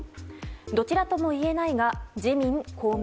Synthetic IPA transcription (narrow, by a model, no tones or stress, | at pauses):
d̪o̞t͡ɕiɾat̪o̞mo̞ie̞naiɡad͡ʑimʲĩŋkʰo̞ːm